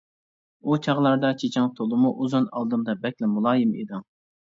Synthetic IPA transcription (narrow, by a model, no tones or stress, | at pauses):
ut͡ʃʰɑʁlˠɑɾd̪ɑt͡ʃʰet͡ʃʰɑŋt̪ʰolˠɨmuʔuzunɑlˠd̪ɨmd̪ɑbɛkʲlɪmulˠɑːjɨmḛd̪ɨŋ